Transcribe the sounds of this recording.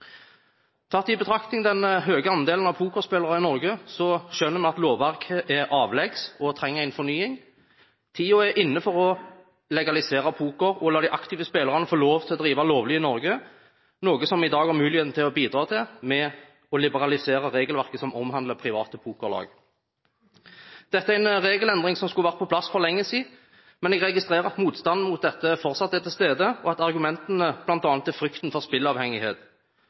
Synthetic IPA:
t̪ʰɑt̪ːɪbət̪ʰɾɑkt̪ɪŋd̪ɛnɦøːɡəɑnd̪eːlənɑʋpʰuːkɔspeːləɾɑɪnɔɾɡəsɔʃœnːəɾmɛnɑt̪loːʋːæɾkʰəʔɛɑːʋlɛɡsɔt̪ʰɾɛŋːəæɪnfɔnyːɪŋ | t̪ʰiːɔæʔɪnːəfɔɾɔ | lɛɡɑlɪseːɾɑpʰuːkɔɾɔlɑːd̪ɪʔɑkt̪ɪʋəspeːləʁɑnəfoːloːʋt̪ʰɪlɔd̪ɾiːʋɑloːʋlɪɪnɔɾɡə | noːɡəsɔmɪd̪ɑːɡæʁmʉːlɪheːt̪n̩t̪ʰɪlɔbiːd̪ʁɑːt̪ʰɪlmɛ | ɔlɪbəʁɑlɪseːʁəʁeːɡəlʋæʁkəsɔmɔmhɑnd̪ləpʰʁɪʋɑ̰ːt̪əpʰuːkɔʁlɑ̰ːɡ | d̪̥ɛt̪ːəæɾɛnʁeːɡəlɛnd̪ʁɪŋsɔmskʉəʋæʁt̪pʰɔpʰlɑsfɔʁlɛŋːəsiː | mɛnɛɡʁɛɡɪst̪ʁeːʁəʁɑt̪muːt̪st̪ɑnd̪̩mʊt̪̚d̪ɛt̪ːəfɔʁt̪sɑt̪ːɛt̪ʰɪlst̪eːd̪əɔɑt̪ɑʁɡʉmɛnt̪ənəb̥lɑnt̪ɑːnət̪ːæfʁʏkt̪nfɔʁspɪlɑːʋhɛŋɪheːt̪

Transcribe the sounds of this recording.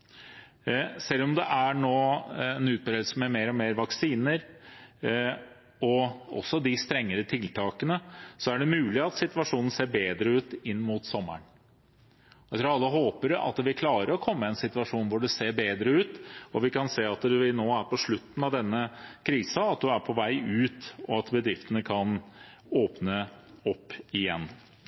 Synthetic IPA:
sɛlːɔmd̪ɛʔæɳoːɛnʉːt̪̚bɾeːd̪lsəmɛmeːɾɔmeːɾʋɑksiːnəɾ | ɔɔ̰sːɔd̪ɪst̪ɾɛŋːəɾət̪ʰɪlt̪ʰɑːkənəsɔæɖɛmʉːlɪɑt̪sɪt̪ʉʋɑʂuːnən̩seːɾbeːd̪ɾəʉːt̪ɪnːmut̪sɔmːə̰ɳ | jæt̪ʰɾuːɾɑlːəɦoːpəɾɑ̰t̪̚d̪ʋɪlkʰlɑːɾəɾɔkʰɔmːəɛnsɪt̪ʋɑʂuːnʋʊɖɛseːɾbeːd̪ɾəʉːt̪ɔʋɪkɑnseːɑt̪ɛʋɪlnoːæɾpɔʂɭʉt̪ːn̩ɑʋd̪ɛnːəkʰɾiːsɑɑt̪̚d̪ʉæɾpʰɔʋæɪʉːt̪ɔɑt̪bəd̪ɾɪft̪ənəkʰɑn | oːpnə | ɔpːɪjɛnː

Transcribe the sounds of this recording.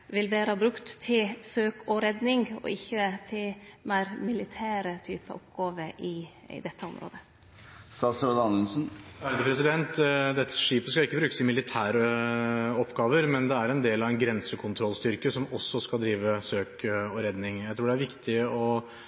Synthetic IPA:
ʋɪlʋeːɾɑbɾʉkt̪ʰːɪlsøːkʰɔɾɛd̪nɪŋɔ̰ɪçːət̪ʰɪlmæɪɾmɪlɪt̪ʰæːɾət̪ʰyːpə̰ʔɔpɡɑːʋəɾʔɪ | ɪ̰d̪ɛt̪ːəɔ̰mɾo̰ːd̪ə | st̪ɑːsɾod̪ɑnənsn̩ʋæɾd̪əpʰɾɛsɪd̪ɛnt̪d̪ɛt̪ːə̥ʂiːpəskɑɪkːəbɾʉːkə̥sɪmɪlɪt̪ʰæːɾə | ɔpːɡɑːʋəɾmɛnd̪ɛæɾɛnd̪eːlɑʋɛnɡɾɛnsəkʰʊnt̪ʰɾɔlst̪ʏɾkəsɔmɔsːɔskɑld̪ɾiːʋəsøːkɔɾɛd̪nɪŋjæɪt̪ʰɾuːɖɛæɾʋɪkt̪ɪɔ

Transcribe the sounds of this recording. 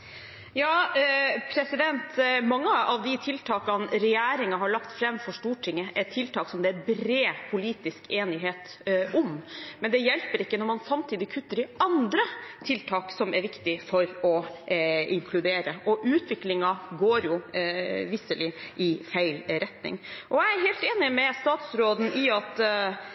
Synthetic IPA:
jɑːpʰɾɛsɪd̪ɛnt̪mɑŋːəɑʋd̪ɪt̪ʰɪlt̪ʰɑːkɑnɾɛjæːɾɪŋɑɦɑɭɑkt̪fɾɛmfɔʂʈuːʈʰɪŋːəʔɛt̪ʰɪlt̪ʰɑːksɔmd̪ɛæɾbɾeːpʰʊliːt̪ɪskeːnɪɦeːt̪ | ɔmmɛnd̪ɛjɛlpəɾɪkːənɔɾmɑnsɑmt̪ʰiːd̪ɪkʰʉt̪ːəɖɪɑnd̪ɾət̪ʰɪlt̪ʰɑːksɔmɛɾʋɪkt̪ɪfɔɾɔ | ɪ̰ŋkʰlʉd̪eːɾəʔɔʔʉːt̪ʋɪklɪŋɑɡoːɾjʊ | ʋɪsəlɪʔɪfæɪlɾɛt̪nɪ̰ŋʔɔjæɪæɾɦeːlt̪eːnɪmɛst̪ɑːt̪sɾoːd̪n̩ʔɪɑt̪

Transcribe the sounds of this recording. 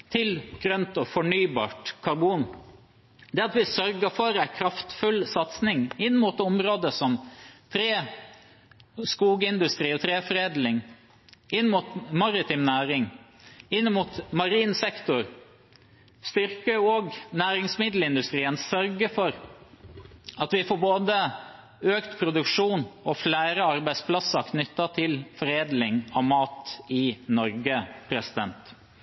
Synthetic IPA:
t̪ʰɪlɡ̥ɾœnt̪ɔfɔɳyːbɑ̰ːʈkʰɑɾbuːn | d̪ɛːɑt̪ʋɪsœɾɡəfɔɾæɪkʰɾɑft̪fʉlsɑt̪snɪŋɪnːmuːt̪ɔmɾoːd̪əsɔmt̪ʰɾeː | skuːɡəɪnd̪ʉst̪ɾiːɔt̪ʰɾeːfɾeːd̪lɪŋ | ɪnːmuːt̪mɑɾɪt̪ʰɪmnæːɾɪŋ | ɪnːəmuːt̪mɑɾiːnsɛkt̪ʊɾ | st̪ʏɾkəɔɡnæːɾɪŋsmɪd̪l̩ɪnd̪ʉst̪ɾiːənsœɾɡəfɔɾ | ɑt̪ʋɪfoːboːd̪ə | øːkt̪pʰɾʊd̪ʉkʂuːnɔflæːɾəɑɾbæɪspʰlɑsəkʰnʏt̪ːɑt̪ʰɪlfɔɾeːd̪lɪŋɑʋmɑːt̪ɪnɔɾɡəpʰɾɛsɪd̪ɛnt̪

